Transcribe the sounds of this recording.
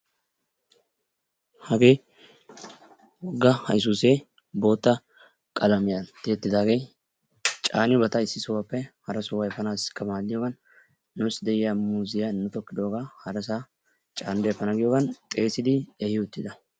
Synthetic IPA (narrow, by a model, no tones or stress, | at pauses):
hɐɡe̞ː | wɔɡːɐhɐ̰js̬uːseː | bo̞ːt̪ːɐ | kʼɐlɐmɪjɐt̪ːɪɛt̪ːɪd̪aːɡej | t͡ʃʼaːnɪjʊbɐt̪ɐɪsːɪsʊwɐpːɛhɐɾɐsʊwɐjɛfɐnaːsɪ̥kːɐmaːlːɪjoːɡɐnː | ʊsd̪ɛʔɪjamuːzɪjanːʊt̪ɔkːɪd̪o̞ːɡahɐɾɐs̬a | t͡ʃʼaːnd̪efɐnɐɡɪjɔːɡɐnt̪ʼe̞ːsɪd̪ɪɛhɪʊt̪ːɪd̪ɐ